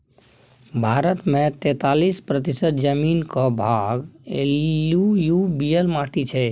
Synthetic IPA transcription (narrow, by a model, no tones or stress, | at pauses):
bʱaɾət̪mẽt̪ɛt̪alispɾət̪isət̪d͡ʒəminkɔ̃bʱaɡḛljujubijəlmaʈit͡ʃʰɛ